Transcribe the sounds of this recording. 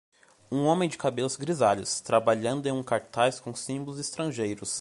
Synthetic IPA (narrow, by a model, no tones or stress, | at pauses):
ũõmẽj̃d͡ʒɪkabelʊzɡɾizaʎʊst̪ɾabaʎɐ̃nd̪ʊẽj̃ũkaɾt̪ajskõsĩmbʊlʊzist̪ɾɐ̃ʒejɾʊs